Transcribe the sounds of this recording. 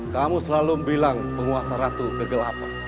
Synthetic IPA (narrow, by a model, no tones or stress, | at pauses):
kamusəlalumbilaŋpəŋuasaɾat̪ukəɡəlapḁ